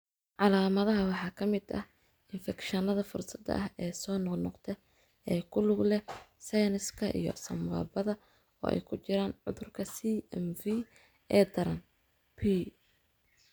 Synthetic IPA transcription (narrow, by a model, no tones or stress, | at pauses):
ʕɑlaːmɐðɐɦɐwɑħɑːkʰɐmɪd̪ɐ̰h | ɪnfɛkʃɐnɐðɐfʊrsɐd̪ɐ̰ʔɐɦɛːsɔːnɔqnɔqt̪ʰɛ | ɛːkʰʊlʊɡlɛsɛjnɪskʰɐʔḭjɔ̰sɐmɐ̰ːbɐðɐ | ɔ̰ːʔɛ̰jkʰʊt͡ʃɪɾaːnʕʊ̰ðʊrkʰɐsiɛmvi | ɛːd̪ɐɾɐn | pʰiː